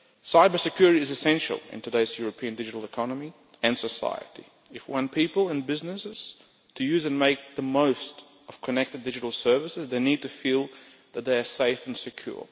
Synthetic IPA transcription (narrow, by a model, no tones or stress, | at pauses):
saɪbə˞sɨkʰj̥ʊɹɨɾiɨzɨsɛ̃nʃl̩ˠɪ̰̃ntʰɨdeɪzjʊɹɨpʰĩɨ̃ndɪd͡ʒɨɾl̩ˠəkʰɑnəmi | ɨ̃nsəsa̰ɪɨ̰ɾḭ | ɨfwʌ̃npʰipəl̩ˠɨ̃nbɪznɨsɨz̥ | tʰɨjʉzɨ̃nmeɪk̚ðəmoʊst | ʌv̥kʰɨnɛk̚tɨdɪd͡ʒɨɾl̩ˠsɜ˞vɨsɨzðeɪnid̚tʰɨfilˠ | ðɨt̪̚ðeɪə˞seɪfn̩sɨkʰj̥ʊ̰ɹ